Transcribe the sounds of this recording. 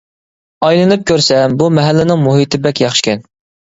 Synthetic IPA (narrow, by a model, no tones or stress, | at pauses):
ɑjlˠɨnɨp̚kʲʰøɾsɛmbumɛɦælːɪnɪŋmuɦit̪ʰɪbɛkʲjɑχʃkʲʰɛn